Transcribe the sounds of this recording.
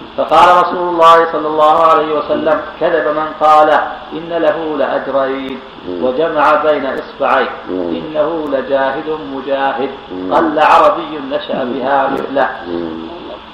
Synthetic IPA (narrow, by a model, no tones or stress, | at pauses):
fɑqɑːlaɾˤɑsuːlʊlˤːɑːhɪsˤɑlːɑlˤːɑːhʊʕalajhɪwasalːamkaðabamanqɑːlaʔɪnːalaɦulɪʔad͡ʒɾˤaːn | wad͡ʒamaʕabajnaʔɨsˤbɪʕajnʔɪnːahʊlad͡ʒaːɦɪd̪ʊmʊd͡ʒaːɦɪd̪̚ | qɑlːaʕɑɾˤɑbɪjːʊnnaʃa̰ʔabɪhaːɾɪ̰θla